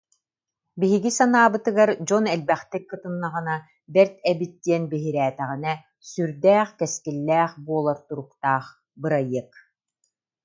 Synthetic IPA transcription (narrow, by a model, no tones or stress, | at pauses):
biɦiɡisanaːbɯt̪ɯɡaɾd͡ʑɔnɛlbɛχt̪ɛkːɯt̪ɯnːaʁɯna | bɛɾt̪ɛbit̪ːiɛnbiɦiɾæːt̪ɛʁinɛ | syɾd̪æːχkɛskilːɛːχbuɔlˠaɾt̪uɾuk̚t̪aːχ | bɯɾajːɯk